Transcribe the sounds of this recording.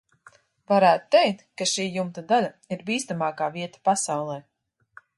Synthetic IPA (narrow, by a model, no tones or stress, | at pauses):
vaɾæːt̪ut̪ːɛjk̚t̪kaʃiːjumt̪ad̪alʲa | iɾbiːst̪amaːkaːviɛt̪ḁpasawlˠɛː